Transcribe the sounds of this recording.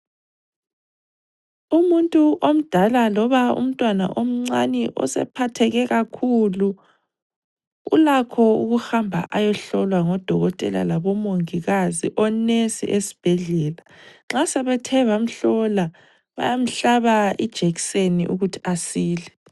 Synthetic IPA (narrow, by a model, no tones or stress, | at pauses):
umuntʼuʔom̩d̥ʱalalɔβaṵm̩tʼwana̰ʔom̩ŋ͡ǀanɛʔɔ̰sɛ̰pʰatʰɛɣɛɣakʰulu | ṵlakʰɔuɣuxambʱa̰ʔajɔɬɔlwaŋɔd̥ʱɔɣɔtʼɛla̰laβɔmoŋiɣaziʔɔnesḭʔesi̥b̥ʱɛɮɛːlaŋ͡ǁasɛβɛtʰɛβam̩ɬɔla | βa̰jam̩ɬaβaid̥ʒ̥ʱeɣiseniʔuɣutʰi̥asiːlɛ